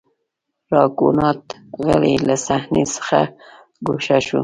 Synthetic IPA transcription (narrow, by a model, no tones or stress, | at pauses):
ɾɑkunɑt̪ | ɣalelasahnesə̥xa | ɡoʃaʃu